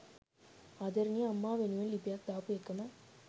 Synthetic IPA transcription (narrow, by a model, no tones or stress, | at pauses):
ɐd̪ɐɾniɐmːaːʋenuʋɐnlipjaːk̚d̪aːpɯekːɐmɐ